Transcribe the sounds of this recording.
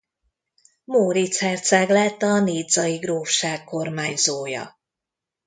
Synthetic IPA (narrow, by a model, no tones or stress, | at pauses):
moːɾit̪shɛrt̪saːɡlɛːt̪ːɒneːd̪zɒjiɡroːfʃaːkːo̞rmaːɲzoːjɒ̰